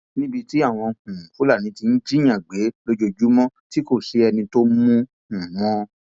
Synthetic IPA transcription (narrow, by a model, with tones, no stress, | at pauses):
nĩ˦bi˧ti˦a˦˨w̃ɔ̃˧hũ˨ko˨˦la˦˨nĩ˨˦ti˧n̩˦d͡ʒi˦j̃ã˨ɡ͡be˨˦lo˦d͡ʒo˧d͡ʒu˦mɔ̃˦ti˦ko˦˨ʃe˨˦ɛ˧nĩ˧to˦mũ˦ | ũ˨wɔ̃˧